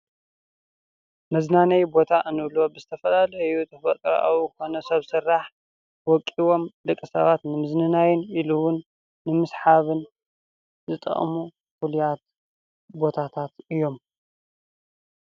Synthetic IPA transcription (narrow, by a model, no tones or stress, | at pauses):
mɐznanɐjbot̪ʰaʔɨnɨβlo̞bɨzɨt̪ʰɐfɐlalɐjut̪ʰɐfɐt̪ʼɾ̰ʔa̰wko̞nɐsɐβsɨrːaħ | wɔkʼiwo̞md̪ɨkʼːɨsɐ̰βat̪nɨmɨznɨnajɪniluwʊnː | ɨmɨsħaβɨn | zɨt̪ʼɐ̰χʼmu | fulijat̪̚ | bo̞t̪ʰat̪ʰat̪ɨjːo̞m